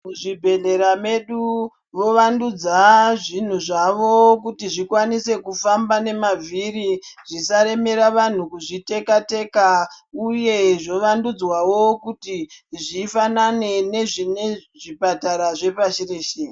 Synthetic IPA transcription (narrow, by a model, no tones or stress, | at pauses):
muʐibʱe̞ɮe̞ɾame̞ɗu | ʋo̞ʋandud͡zaʐin̤uʐaʋo̞k̬utiʐikwanise̞kufambane̞mavʱiɾiʐisaɾe̞me̞ɾaʋan̤ukuʐite̞kate̞kauje̞ʐo̞ʋandud͡zwawokutiʐiːfanane̞ne̞ʐine | ʐipataɾaʐe̞paʃireʃeː